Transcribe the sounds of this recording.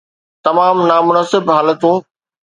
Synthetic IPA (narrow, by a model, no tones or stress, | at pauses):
t̪ɐmaːmnaːmʊnasɪbɦaːlət̪ũː